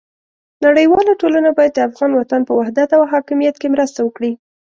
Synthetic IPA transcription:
naɽəjwɑlaʈolanabɑjad̪̚d̪əafɣɑnwat̪anpəwahd̪at̪awɦɑkɪmijat̪kemɾəst̪awəkɽi

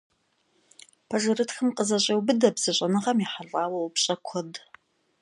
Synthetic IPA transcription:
pʰɐʒɨrɨtxɨmqʼəzɐɕʼɐwbɨdɐbz̥ɨɕʼɐnɨʁɐmiħaɮʼaːwɐwpɕʼɐkʷʰɔd

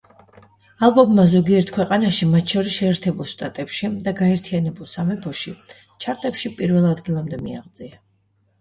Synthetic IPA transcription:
alˠbɔmːazɔɡiɛɾt̪ʰkʰwɛqʼanaʃimat̪ʰʃɔɾisʃɛːɾt̪ʰɛbulˠʃt̪ʼat̪ʼɛpʃid̪aɡaɛɾt̪ʰianɛbulˠsamɛpʰɔʃi | t͡ʃʰaɾt̪ʼɛpʃipʼiɾvɛlˠad̪ɡilˠamd̪ɛmiaʁd̪zʼia

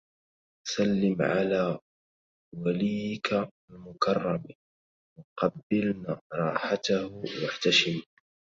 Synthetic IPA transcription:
salːɪmʕa̰laː | waliːjɪka | lmʊkɑrˤːɑm | wɑqɑbːɪlnaːɾˤɑːħat̪ahwaħt̪aʃɪm

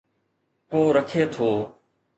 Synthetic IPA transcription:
koːɾəkʰeːt̪ʰoː

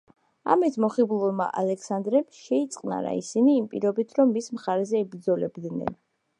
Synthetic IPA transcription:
a̰mit̪ʰmɔχiblˠulˠma̰ʔalɛkʰsand̪ɾɛmʃɛit̪sʼqʼna̰ɾa̰ḭsiniːmpʼḭɾɔbit̪ʰɾɔmːismχaɾɛzɛːbɾd̪zɔlɛbd̪nɛ̰n

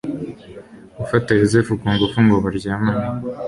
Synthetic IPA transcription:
ufatajozefukuːŋɡofuŋɡoβaɾɟaːmaːna

